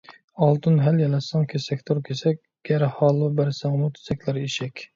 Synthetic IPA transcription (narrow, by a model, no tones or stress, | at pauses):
ɑlˠd̪ɨnɦæljɛlɛsɑŋkʲʰesɛkʲt̪ʰuɾkʲʰesɛkʲ | ɡ̥ʲæɾhɑːlˠɨbæɾsæŋmut̪ʰy̥zɛkʲlæɾiʃɛkʲ